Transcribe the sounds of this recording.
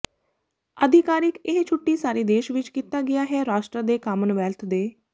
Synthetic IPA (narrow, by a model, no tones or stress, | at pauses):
əd̪ʱɪkaːɾɪkɪɦt͡ʃʰʊʈːiːsaːɾiːd̪eːʃʋɪt͡ʃkiːt̪aːɡɪjaːɦɛːɾaːʃʈɾəd̪eːkaːmənʋɛːlt̪ʰd̪eː